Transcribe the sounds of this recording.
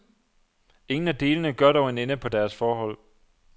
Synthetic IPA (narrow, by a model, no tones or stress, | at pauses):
e̝ŋn̩æd̥e̝ːlənəɡ̥ɶɐ̰d̥ɒʊenenəpʰɒ̽d̥æɐsfɒːɦɒ̽l̰